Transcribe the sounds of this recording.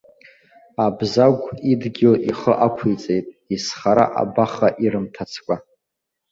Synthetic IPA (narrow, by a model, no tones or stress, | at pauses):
abzaɡʷidɡʲɪlʔiχəʔakʷʰit͡sʼejtʼ | isχaɾa̰ʔa̰baχaʔiɾɨmtʰat͡sʰkʷʼa